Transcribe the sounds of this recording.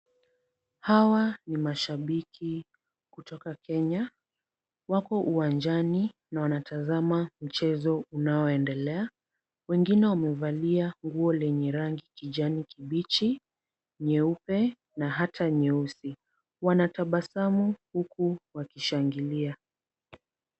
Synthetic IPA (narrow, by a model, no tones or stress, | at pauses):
hawanimaʃaɓikʰi | kutʰɔkakʰɛɲa | wakɔʔuwand͡ʒaninawanatazamam̩t͡ʃɛzɔunaɔɛndɛlɛa | wɛŋɡinɛwamɛvaliaŋɡuɔlɛɲɛɾaŋɡikiʄanikiɓit͡ʃi | ɲɛupɛ | naɦatʰaɲɛusi | wanataɓasamuhukuwakiʃaŋɡilia